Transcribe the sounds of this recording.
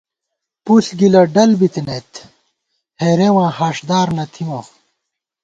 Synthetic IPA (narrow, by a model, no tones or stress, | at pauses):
pusɡilɐɖɐlbit̪inet̪ʰ | heɾewãːhaːʂd̪aːɾnɐt̪ʰiwã